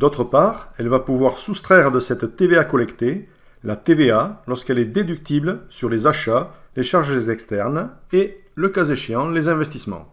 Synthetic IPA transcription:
d̪ɔt̪χəpaʁɛlvapuvwaʁsust̪χɛʁəd̪əsɛt̪ːeveakɔlɛkt̪e | lat̪evealɔʁskɛlɛd̪ed̪yk̚t̪ibləsyʁlezaʃaleʃaʁʒezɛkst̪ɛʁneləkazeʃeɑ̃lezɛ̃vɛst̪ismɑ̰̃

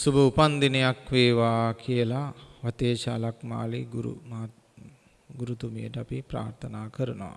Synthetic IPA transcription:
subʱɐupɐnd̪inejakʋeːʋaːkʰijəlaʋɐt̪eːt͡ʃaːlakma̰ːliɡuɾṵmɐ | ɡuɾut̪umijəʈəɐpipɾa̰ːɾt̪ʰɐnaːkɐɾunɐʋa̰

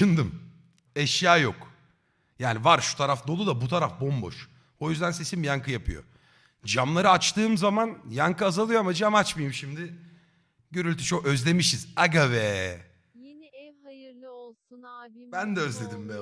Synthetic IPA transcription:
ʃɯnd̪ɯm | ɛʃjaːjo̞k | jaːnivaɾʃu̥t̪ʰaɾafd̪o̞lˠud̪abut̪ʰaɾafbo̞mbo̞̰ʃ | o̞jyzd̪ænse̞simjaŋkʰɯjapʰɯ̰jo̞̰ | d͡ʒamlˠaɾɯat͡ʃt̪ʰɯːmzamanjaŋkɯazalˠɯjoamad͡ʒamat͡ʃmajɯmʃimd̪ɪ | ɟø̞ɾylʲt̪ʰyt͡ʃʰokø̞zlʲe̞miʃizaɡavɛ | jeniɛhajɯɾlˠɯolˠsunbænd̪ɛøzlʲe̞d̪imbɛ

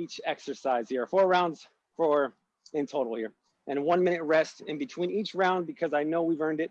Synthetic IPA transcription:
it͡ʃɛksə˞saɪz̥hiɹfɔɹɹãʊ̃ndz̥ | fə˞ | ɨ̃ntʰoʊɾl̩ˠhɪɹ | ʔɨ̃nwʌ̃nmɪ̃ñɨt̚ɹɛstɨ̃nbɨtʰw̥ĩnit͡ʃɹãʊ̃nd̚bɨkʰʌzaɪnoʊwivɜ̃˞ndɨt̚

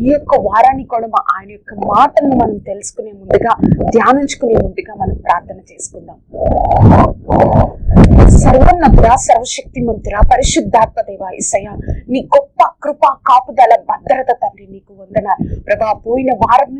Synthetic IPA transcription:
ijɔkːɐʋaːɾaːnikoɽumɐʔaːjɐnɐjɔkːɐmaːʈɐnːimɐnɐmt̪e̞lusu̥kune̞ːmund̪uɡaːd̪ʱjaːniɲt͡ʃu̥kuneːmund̪uɡaːmɐnɐmpɾaːɾt̪ʰɐnɐt͡ʃe̞ːsu̥kunːaːm | sɐɾʋɐnːɐd̪iɾaːsɐɾʋɐʃɐk̚t̪imɐnt̪ɾaːpɐɾiʃud̪ʱːaːt̪̚mɐd̪ɛːʋaːḭsɐjaːniːɡɔpːakɾupaːkaːpud̪ɐlɐbɐd̪ːɐɾɐt̪ɐt̪ɐmɾiniːkuʋɐnd̪ɐnaːɾpɾɐd̪aːpoːjinɐʋaːɾɐm

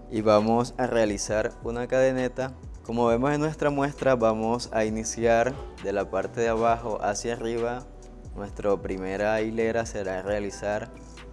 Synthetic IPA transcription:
iβamo̞sarealisaɾunakaðe̞ne̞t̪a | ko̞mo̞βe̞mo̞se̞nːwe̞st̪ɾamwe̞st̪ɾaβamo̞sainisjaɾd̪e̞lapaɾt̪e̞ðeaβaxo̞ʔasjariβa | nwe̞st̪ɾopɾime̞ɾaile̞ɾase̞ɾare̞alisaɾ

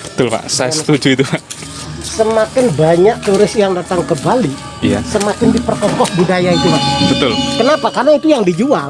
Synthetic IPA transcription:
b̥ə̥t̪ʊlpa̰ʔsajasə̥t̪ud͡ʒuit̪upaʔ | səmakɪnbaɲak̚t̪uɾɪsjaŋdat̪aŋkəbali | a̰səmakɪndipərkɔkɔk̚budajait̪upaʔbət̪ʊlkənapakarnait̪ujaŋdid͡ʒual

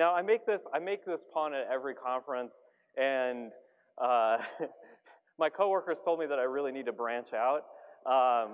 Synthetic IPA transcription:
naʊaɪmeɪk̚ðɪsaɪmeɪk̚ðɪspʰɑ̃ñɨɾɛvɹikʰɑ̃ɱfɹɨ̃ns | ʔɨ̃n | ʔʌ | maɪkʰoʊwɜ˞kə˞z̥tʰoʊlˠd̚miðəɾaɪɹɪlˠinid̚tʰɨbɹæ̃nt͡ʃaʊt̚ʔʌ̃m

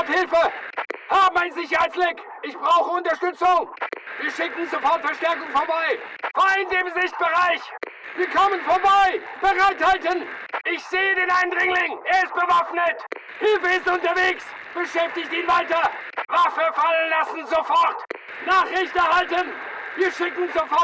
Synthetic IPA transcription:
aphɪlfəhaːbm̩aɪnzɪçɐhaɪtsblɪk | ʔɪçb̥ʁaʊxəʊntɐʃtʏt͡sʊŋviːɐʃɪkn̩zofɔɐtfɛɐʃtɛɐkʊŋfoːɐbaɪv̥aːɪndeːmzɪçt̚b̥əʁaɪç | viːɐkʰɔmənfoːɐbaɪb̥əʁaɪthaltənʔɪçz̥eːədeːnʔaɪnʁɪŋlɪŋʔeːɐɪst̚b̥əvafnət | hɪfeɪzʊntɐveːks | b̥əʃɛftɪçtəiːnvaɪtɐ | vafəfalənlasn̩zofɔɐt | naːχʁ̥ɛçtɛɐhaltənviːɐʃɪkn̩zofɔ

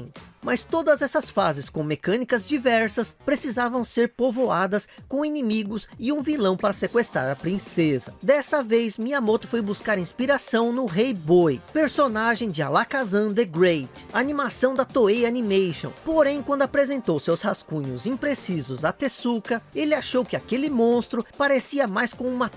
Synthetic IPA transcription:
t͡ʃɪsmɐst̪od̪ɐzɛsɐsfazɪskõmekɐ̃nikɐzd͡ʒivɛɾsɐspɾesizavɐ̃w̃seɾpovoad̪ɐskõinimiɡʊsɪũvilɐ̃w̃paɾɐsekwest̪ɾaɾɐpɾĩsezɐd̪ɛsɐvejzmiamot̪ʊ̥fojbuskaɾĩspiɾasɐ̃w̃nʊɦejbojpeɾsonaʒẽj̃d͡ʒɪalakazɐ̃d̪eɡɾejt͡ʃanimasɐ̃w̃d̪ɐt̪oejanimejʃõ̰w̃poɾẽj̃kwɐ̃nd̪ʊapɾezẽnt̪owsewshaskũɲʊzĩpɾesizʊzɐt̪esukɐelɪaʃowkɪakelɪmõst̪ɾʊpaɾesiɐmajskõũmɐ

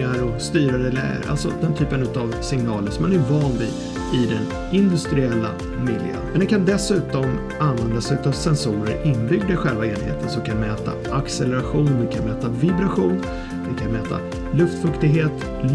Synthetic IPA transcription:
aɾɔst̪yːɾaɾəlæ̰ːɡə̰ɾʔa̰lsɔ̰d̪ɛnt̪ʰyːpənɵ̟t̪avsɪŋnɑːləʂɔmːanæɾvɑːnd̪ɪ̰ | ɪd̪ɛn | ɪnd̪ɵst̪ɾɪɛlːa̰ | mɪljə̰nmɛnd̪ɛkʰand̪ɛsʉ̟ːt̪ɔm | anvɛnd̪asʉ̟ːt̪ɔvsɛnsuːɾəɾɪnːbʏɡ̚d̪əɧɛlvaeːnhḛːt̪ʰənsɔmkʰanmɛːt̪a̰ʔaksɛləɾaɧuːnmɛkʰanmɛːt̪avɪbɾaɧuːn | d̪ɛnkʰanmɛːt̪ʰa̰ | lɵft̪fɵkt̪ɪɡɦeːt̪

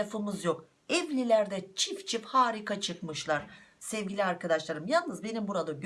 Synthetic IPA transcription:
afɯmɯzjo̞k | ɛvlʲilʲæɾd̪ɛt͡ʃʰift͡ʃʰifhaːɾikat͡ʃʰɯkmɯʃlˠaɾ̥sɛvɟilʲiaɾkad̪aʃlˠaɾɯmjalˠnɯzbe̞nimbuɾad̪aɟ

